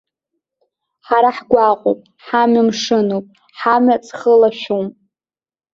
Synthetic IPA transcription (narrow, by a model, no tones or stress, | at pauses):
ħaɾaħɡʷaqʼo̰pʼ | ħamamʂɨnopʼ | ħamat͡sʰʼχəlaʃᶣum